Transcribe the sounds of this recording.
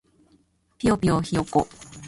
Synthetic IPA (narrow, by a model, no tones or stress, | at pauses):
piopioçioko̰